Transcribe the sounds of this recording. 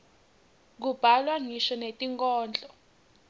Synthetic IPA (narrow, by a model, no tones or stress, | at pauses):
k̬ub̥ʱalwaŋiʃɔnetʼiŋkʼɔːnd͡ɮʱɔ